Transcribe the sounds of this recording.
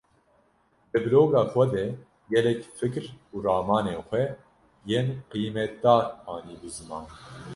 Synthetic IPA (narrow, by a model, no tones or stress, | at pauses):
d̪̥ɨbɨloːɡɑːxʷɛd̪ɛ | ɡɛlɛkfɨkɾurɑːmɑːneːxʷɛ | jeːnqiːmɛt̪̚d̪ɑːhɑːniːbɨzɨmɑːn